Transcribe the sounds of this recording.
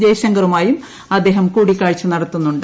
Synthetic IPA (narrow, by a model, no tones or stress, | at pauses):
deːɕɐŋɡɐɾumaːjum | ɐd̪ːe̞ːɦɐmkuːɽikʲːaːɻt͡ɕːɨnɐɽɐt̪ːunːuɳɖɨ